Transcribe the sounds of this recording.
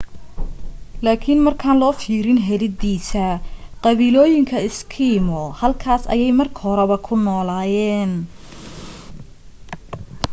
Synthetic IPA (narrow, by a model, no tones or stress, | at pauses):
laːkʰɪnmɐrkʰaːnlɔːfiːɾɪnɦɛlɪd̪iːsɐqɑβiːlɔːjɪŋkʰɐɪskʰimɔhɐlkʰaːsɐ̰jɛjmɐrkʰɐhɔɾɛβɐkʰʊnɔːlaːjɛːn